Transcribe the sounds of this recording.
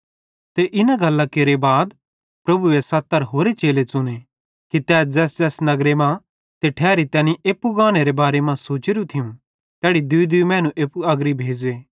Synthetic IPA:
t̪eʔɪnaɡɐlːakeɾebaːd̪ | pɾɐbuesɐt̪ːəɾɦoːɾet͡ʃeːlet͡sʊne | kit̪ɛːsd͡zɛːsd͡zɛːsnɐɡɾemã | t̪eʈʰɛːɾit̪ɛːniʔeːpːuɡãːñeɾebaːɾemãsoːt͡ʃɪɾũt̪ʰɪjũ | t̪ɛːɽid̪ʊd̪imɛ̃ːnũʔeːpuɐɡɾibʱeːd͡ʒeː

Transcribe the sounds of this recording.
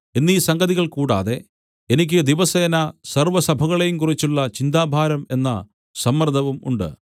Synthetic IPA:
enːiːsɐŋɡɐðiɣɐɭkuːɽa̰ːðe̞ | enik̬ʲːɨd̪iʋɐseːnɐsɐrʋɐsɐbʱɐɣɐɭe̞jumkurit͡ɕːuɭːɐt͡ɕind̪aːbʱaːɾɐme̞nːɐ̰ | sɐmːɐrd̪ʱɐʋumṵɳɖɨ̰

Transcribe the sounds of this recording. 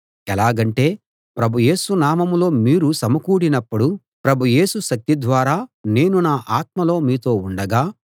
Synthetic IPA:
ɛlaːɡɐɳʈe̞ː | pɾɐbʱuje̞ːsunaːmɐmlo̞ːmiːɾusɐmɐkuːɽinɐpːuɽu | pɾɐbʱuje̞ːsuʃɐk̚t̪id̪ʋaːɾaːne̞ːnunaːʔaːt̪̚mɐlo̞ːmiːt̪o̞ːuɳɖɐɡaː

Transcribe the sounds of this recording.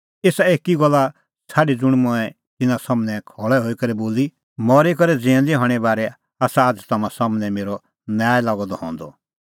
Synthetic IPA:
eːsaeːkiɡɔlːa | sʰaːɖid͡zʊɽ̃mʊ̃ɛ̃ | t̪ɪnãsɐmnɛ̃kʰɔːɭɛɦoːikɐɾiboːli | mɔːɾekɔɾɛd͡zɛ̃ɛ̃nd̪iɦɔːɽ̃ɛbaːɾɛ | aːsaːd͡zt̪ɐmãsɔmnɛ̃meːɾɔ | njaːɛlaːɡɔd̪ɔɦɔ̰̃ːnd̪ɔ

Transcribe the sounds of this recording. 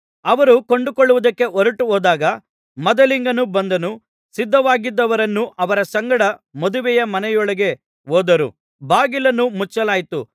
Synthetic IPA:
ɐʋɐɾukoɳɖukoɭːuʋud̪ɐkːe̞ʔɔɾɐʈuɔːd̪aːɡɐ | mɐd̪ɐliŋɡɐnubɐnd̪ɐnu | sid̪ːɐʋaːɡid̪ːɐʋɐɾɐnːuʔɐʋɐɾɐsɐŋɡɐɽɐmɐd̪uʋɛjɐmɐnɛjɔɭɐɡe̞ | oːd̪ɐɾṵ | baːɡilɐnːumut͡ʃːɐlaːjt̪u

